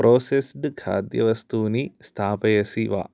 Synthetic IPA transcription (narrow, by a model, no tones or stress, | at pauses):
pɾʔoːsesɖɨkʰa̰ːd̪jɐ̰ʋɐst̪uːnist̪ʰaːpɐjɐsiʋa̰ː